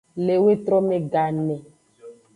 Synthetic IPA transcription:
le˨we˦t̪ɾɔ˦me˨ɡa˨nɛ̃˨

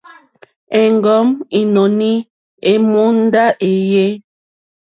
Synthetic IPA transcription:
ɛ˨ŋɡɔ˨˦mi˨no˨ni˦ | e˨mu˦n̩˦da˦ʔe˨je˦

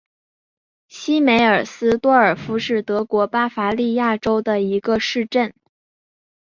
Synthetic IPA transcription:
ɕi˥me˧˥ɪə˞˨˩sɹ̩˥t̪wɔ˥ə˞˨˩fu˧˥ʂɻ̩˥˩t̪ɤ˧˥kwɔ˧˥pa˥fa˧˥li˥˧ja˥˩ʈ͡ʂo˥ʊd̪ə˨i˧˥ɡə˧ʂɻ̩˥˧ʈ͡ʂə˥˩n

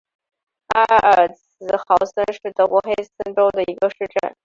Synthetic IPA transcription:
a˥ə˨˩t͡sʰɹ̩˧˥xɑ˧˥ʊsə˥nʂɻ̩˥˩t̪ɤ˧˥wɔ˧˥xe˥ɪsə˥nʈ͡ʂo˥ʊd̪ə˨i˧˥ɡə˧ʂɻ̩˥˧ʈ͡ʂə˥˩n

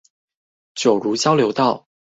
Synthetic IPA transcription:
t͡ɕjo˨˩ʊɻu˧˥t͡ɕjɑ˥ʊljo˧˥ʊt̪ɑ˥˩ʊ

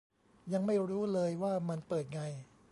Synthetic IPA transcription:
ja˧ŋma˥˩jɾuː˦˥lɤː˧jwaː˥˩ma˧npɤː˨˩t̪̚ŋa˧j

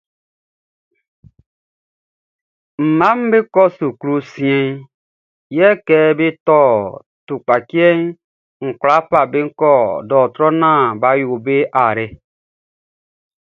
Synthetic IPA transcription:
m̩˨ma˦m̩˦be˦kɔ˦su˨kɾu˦si˨˦e˦n | jɛ˦kɛ˦be˦tɔ˦˨ | tu˨k͡pa˨ki˦e˦ | ŋ̩˨kɾa˦pa˨be˦ŋ̩˦kɔ˦dɔ˨tɾɔ˦na˦˨ba˨jo˨be˦ʔa˨ɾe˦

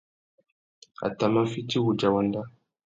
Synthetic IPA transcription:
a̰˨ta˨ma˦fi˦ti˦wu˨d͡ʒa˨wa˨nda˦

